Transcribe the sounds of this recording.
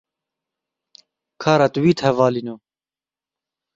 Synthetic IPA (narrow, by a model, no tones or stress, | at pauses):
kʰɑːɾat̪wiːt̪hɛvɑːlinuː